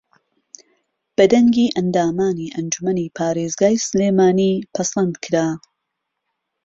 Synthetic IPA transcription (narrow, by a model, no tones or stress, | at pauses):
b̥ɐd̪ɐŋɡiːʔɐnd̪aːmaːniːʔɐnd͡ʒumɐniːpʰaːɾeːzɡaːjsleːmaːniːpʰɐslɐnd̪kʰɨɾaː